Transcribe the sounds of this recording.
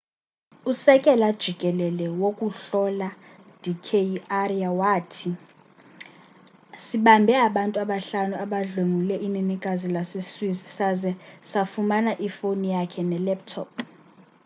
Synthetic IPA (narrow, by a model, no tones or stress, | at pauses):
usɛkʼɛlad̥ʒ̥ʱikʼɛlɛlɛwokʼuɬɔla | d̥ʱikʰeariawaːtʰi | siɓambʱɛaɓantʼuaɓaɬanuaɓaɮoŋulɛʔininikʼazilaseswizisazɛsafumanaʔifonijakʰɛnɛlɛp̚tʰɔp̚ʰ